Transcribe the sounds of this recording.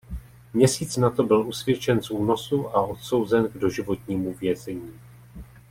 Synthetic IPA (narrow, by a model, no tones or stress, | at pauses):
mɲɛsiːt͡snat̪o̞bɪlʔusvjɛt͡ʃɛnsuːno̞suʔaʔo̞t̪so̞wzɛnɡdo̞ʒɪvo̞t̪ɲiːmuvjɛzɛɲiː